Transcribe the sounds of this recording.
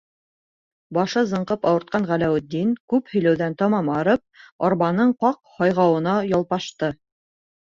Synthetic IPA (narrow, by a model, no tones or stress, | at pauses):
bɑʃɤzɤ̆ɴqɤpɑwɤ̆ɾt̪̚qɑɴʁælæwɘ̆d̪ːinkʉphɵ̆jlæwðænt̪ɑmɑmɑɾɤp̚ɑɾβɑnɤɴqɑqhɑjʁɑwɤ̆nɑjɑlˠpɑʃt̪ɤ